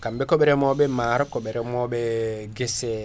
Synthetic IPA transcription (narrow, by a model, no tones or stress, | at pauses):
kambɛkɔɓɛɾɛmɔɓɛmaɾɔkɔɓɛɾɛmɔɓɛɡesɛ